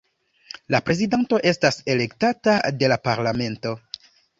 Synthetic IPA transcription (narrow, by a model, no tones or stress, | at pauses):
lapɾe̞zidanto̞ʔe̞stase̞le̞ktatade̞lapaɾlame̞nto̞